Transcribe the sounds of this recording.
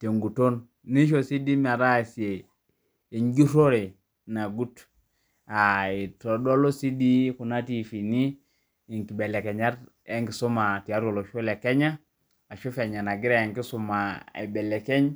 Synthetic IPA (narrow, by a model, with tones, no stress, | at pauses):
te˨ŋɡu˨to˦nː | i˦ʃ̬o˨si˦di˦ma˨ɾa˦˨si˨e˨ | i˨ɲɟu˦to˦ɾe˨ | na˨ɡu˦t | a˨i˨to˨do˦lo˦si˦di˦ku˨na˦ti˦˨fi˨ni˦ | i˨ŋki˨be˨le˨kɛ˨ɲa˦t | e˦ŋki˨su˦ma˨ti˨a˦ɾo˨lo˨ʃu˦le˨kɛ˦ɲa˦ | a˨ʃu˦fɛ˨ɲa˨na˨ɡi˦ɾe˦e˨ŋki˦su˦˨ma˨ḛ˨bɛ˨lɛ˨ke˦ɲ